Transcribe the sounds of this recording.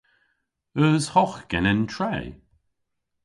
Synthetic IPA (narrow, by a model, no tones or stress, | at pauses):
əzhɔxɡ̥ɛnəntʰɹeː